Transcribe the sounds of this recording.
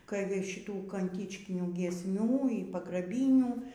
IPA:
kɐɪ ˈʋɐ ˈʃʲɪtuː kɐnʲˈtʲɪt͡ʃʲkʲɪnʲuː ɡʲiɛsʲˈmʲuː iː pɐɡrɐˈbʲiːnʲuː

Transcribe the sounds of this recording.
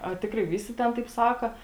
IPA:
ɐ ˈtʲɪkrɐɪ ˈʋʲiːsʲɪ ˈtʲɛn tɐɪp ˈsɑːkɐ

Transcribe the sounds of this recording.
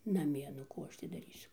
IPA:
nɐˈmʲiɛ nʊ ˈkuː ˈɐʃ tʲɪ dɐˈrʲiːsʲʊ

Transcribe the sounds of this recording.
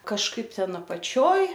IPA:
kɐʃˈkɐɪp ˈtʲɛn ɐpɐˈt͡ʃʲoːj

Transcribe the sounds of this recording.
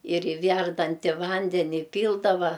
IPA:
ɪr ɪ ˈʋʲærdɐnʲtʲɪ ˈʋɐnʲdʲɛnʲɪ ɪˈpʲiːlˠdɐʋɐ

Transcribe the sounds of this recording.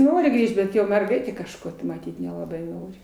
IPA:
ˈnoːrʲɪ ˈɡrʲiːʃt bʲɛt ˈjoː mʲɛrˈɡɐɪtʲeː kɐʃˈkoː tɐɪ mɐˈtʲiːt nʲɛlˠɐˈbɐɪ ˈnoːrʲɪ

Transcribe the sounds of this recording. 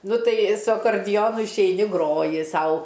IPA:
ˈnʊ ˈtɐɪ sʊ ɐkoːrʲˈdʲɪjoːnʊ ɪʃʲɛɪˈnʲɪ ˈɡroːjɪ ˈsɐʊ

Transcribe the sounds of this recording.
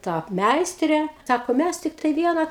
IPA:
ˈtɐ ˈmʲɛɪsʲtʲrʲeː ˈsɑːkoː ˈmʲæs ˈtʲɪktɐɪ ˈʋʲiɛnɐ

